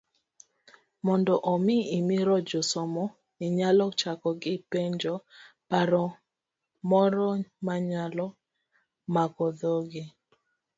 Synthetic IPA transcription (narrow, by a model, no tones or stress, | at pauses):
mɔndɔʔɔmɪimiɾɔd͡ʒɔsɔmɔ | iɲalɔt͡ʃakɔɡɪpeɲd͡ʒɔpaɾɔ | mɔɾɔmaɲalɔ | makɔd̪ɔɡɪ